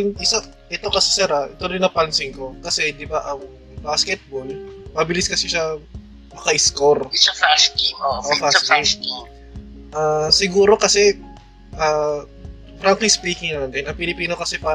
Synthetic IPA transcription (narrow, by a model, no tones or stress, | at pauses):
ŋʔɪsa | ʔɛt̪o̞kɐsɛsɛɾɐʔɛt̪oɾɪnɐpɐnsɪŋko̞kɐsɛd̪ɪbaʔɐŋ | baskɛt̪̚bolmɐbɪlɪskɐsɪʃɐ | mɐkɐʔɪskoɾafaskioʔofaiski | ʔasɪɡuːɾo̞kɐsɛ | ʔa | fɾaŋklispiːkɪŋnɐlɐnd̪ɪnɐŋpɪlɪpiːno̞kɐsɛpaː